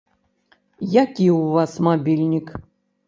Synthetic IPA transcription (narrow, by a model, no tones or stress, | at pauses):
jakʲiuvasmabʲilʲnʲik